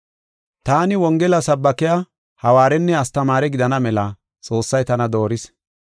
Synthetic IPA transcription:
t̪aːnɪwɔŋɡɛlɐsɐbːɐkɪja | hɐwaːɾɛnːɛɐst̪ɐmaːɾɛɡɪd̪ɐnɐmɛlɐ | t͡sʼo̞ːsːɐjt̪ɐnɐd̪o̞ːɾɪs

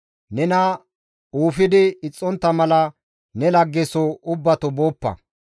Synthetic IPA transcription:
nɛnɐ | uːfɪd̪ɪɪt͡sʼːɔnt̪ːɐmɐlɐ | nɛlɐɡːɛsoʔʊbːɐt̪ɔboːpːɐ̰

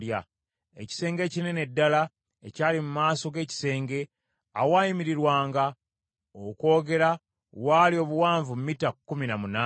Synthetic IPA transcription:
ja | ḛci̥se̞ːŋɡe̞ːcine̞ne̞dːala | ecaːlimumaːso̞ɡe̞ːci̥se̞ːŋɡe̞ | awaːjimiɾiɾwaːŋɡa | oko̞ːɡe̞ɾa | walio̞βuwaːɱvumumitakːuminamunaː

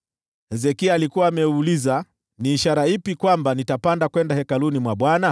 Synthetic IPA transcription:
hɛzɛkiaːlikuwaːmɛuuliza | niːʃaɾaipikwambanitapandakwɛndahɛkalunimwaɓwana

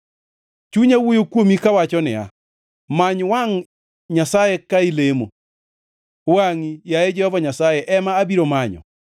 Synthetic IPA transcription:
t͡ʃuɲawojokwomikawat͡ʃɔnɪ̰ja̰ | maɲwaŋ | ɲasajɛkailemo | waŋijajed͡ʒɛhɔvaɲasajɛʔɛmaːbiɾomaɲɔ̰

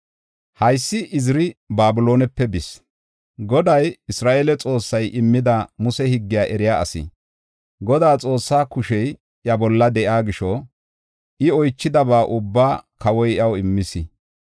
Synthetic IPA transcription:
hɐjsːɪʔɪzɪɾɪbaːbɪloːnɛpːɛbɪs | ɡɔd̪ɐjɪsɾaːʔeːlɛt͡sʼo̞ːsːɐjʔɪmːɪd̪ɐmʊsɛhɪɡːɪjaːʔɛɾɪjaːɐ̰sɪ̰ | ɡɔd̪aːt͡sʼo̞ːsːaːkʊʃɛj | jɐbɔlːɐd̪ɛʔaːɡɪʃɔ | ʔɪɔjt͡ʃːɪd̪ɐβaːʔʊbːaːkɐwɔjɐwɪmːɪsɪ

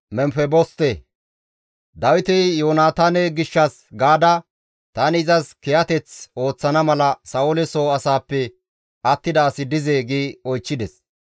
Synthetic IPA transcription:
mɛmfɛbɔst̪e | d̪ɐwɪt̪ɪjoːnaːt̪aːnɛɡɪʃːɐs | ɡaːd̪ɐ | t̪anɪɪzɐskɛjɐt̪ɛt͡so̞ːt͡sːɐnɐmɐlɐsɐʊlɛsoːɐsaːpːɛ | ʔɐt̪ːɪd̪aːsɪd̪ɪzeːɡiːɔjt͡ʃːɪd̪ɛs

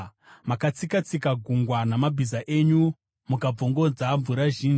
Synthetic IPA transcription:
makat͡sikat͡sikaɡʱuŋɡwanamabʱizaʔe̞ɲu | mukab͡voŋɡo̞d͡zaɱvuɾaʒiːni

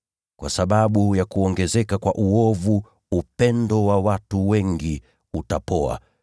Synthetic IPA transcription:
kwʔasaɓaɓujakuɔŋɡɛzɛkakwaʔuɔvuː | pɛndɔwawatuwɛŋɡi | utapɔa̰

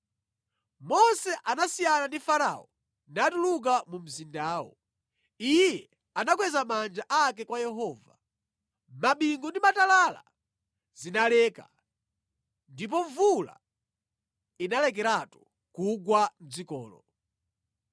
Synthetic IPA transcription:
mɔsɛʔanasijanandifaɾa̰ɔ | natuluk̬amum̩zindaːwɔ̰ | ijjɛ | anak̬wɛzamand͡ʒaʔak̬ɛkwajɛɦɔːva | maɓiŋɡundimatalala̰ | zinalɛːka̰ | ndip̬ɔɱvula̰ | inalɛk̬ɛɾatu̥ | kuɡwan̩d͡zikɔ̰ːlɔ̰

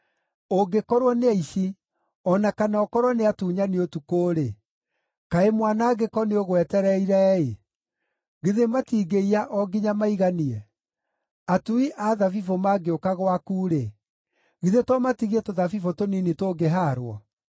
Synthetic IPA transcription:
oɡekɔɾwɔneaiʃi | ɔnakanaɔkɔɾwɔneatuːɲaniotukoːɾe | kaemwanaːɡekɔneoɣwɛtɛɾɛiɾaɛe | ɣiðematiːɡeiaʔɔɡiɲamaiɣaniɛ | atuiʔaːðavifomaɡeokaɣwakuːɾe | ɣiðetɔmatiɣiɛtoðavifotoninitoɡeɦaːɾwɔ̰

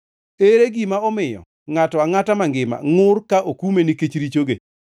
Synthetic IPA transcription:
eɾeɡimaɔmɪjɔ̰ | ŋatɔaŋatamaŋɡɪma̰ŋʊrkaʔokumeniket͡ʃɾit͡ʃoɡḛ

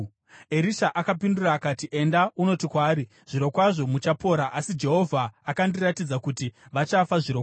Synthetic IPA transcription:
e̞ɾiʃaʔakapinduraːkaːtiʔe̞ndauno̞tikwaːɾi | ʐ̥iɾo̞kwaʐo̞mut͡ʃapo̞ɾaʔasid͡ʒe̞ɦo̞vʱaːkandiratid͡zakutiʋat͡ʃafaʐiɾok

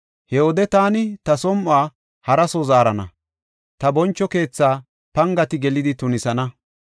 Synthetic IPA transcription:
hɛwɔd̪ɛt̪aːnɪt̪ɐsɔmʔʊaː | hɐɾɐsɔzaːɾɐnɐ̰ | t̪ɐbɔnt͡ʃːɔke̞ːt͡sːaː | pɐŋɡɐt̪ɪɡɛlɪd̪ɪt̪ʊnɪsɐnɐ

